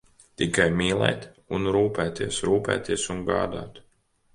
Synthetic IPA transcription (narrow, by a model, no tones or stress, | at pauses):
t̪ikajmʲiːlˠɛ̰ːt̪ | unɾuːpɛːt̪iɛsɾuːpɛ̰ːt̪iɛsuŋɡa̰ːd̪a̰ːt̪